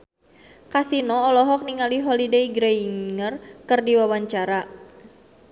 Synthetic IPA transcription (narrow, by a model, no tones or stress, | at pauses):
kasinɔːlɔɦɔk̚niŋaliɦɔlideiɡɾeiŋərkɨrdiwawaɲt͡ʃaɾa